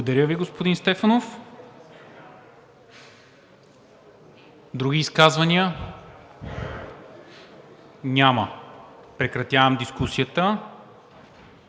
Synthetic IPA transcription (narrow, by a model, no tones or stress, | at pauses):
od̪ɐɾʲjəviɡospod̪inst̪ɛfɐnof | d̪ɾuɡ̟iːskazvɐniə | nʲaməpɾɛkɾɐt̪ʲjavɐmd̪iskusiət̪ə